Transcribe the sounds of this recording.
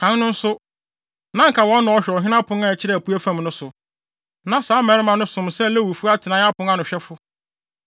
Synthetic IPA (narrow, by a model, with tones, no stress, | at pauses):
kʰã˨˦n˦nʊ̃˦n̩˦sʊ˦ | nã˦ŋ˦kʰa˨wɔ̃˨˦nː˦ã˨ɔ˨ɕᶣɔ˨ɦɪ̃˦nã˦pʰʊ̃˦ŋa˦˨t͡ɕʰɪ˦ɾɛ˦˨æ˨pʰu˦æ˦fã˦m˦nʊ̃˦sʊ˨ | nã˦saː˨˦mɛ˨ɾɪ˦mã˨nʊ̃˦sʊ̃˨msɛ˦lɛ˦wu˨fu˦a˦tʰɪ˨nã˦a˦pʊ̃˨˦ã˦nʊ̃˨ɕᶣɛ˦fʊ˦